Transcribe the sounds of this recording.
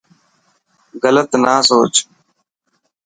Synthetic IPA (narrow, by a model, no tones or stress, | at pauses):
ɣələt̪naːsoːt͡ʃ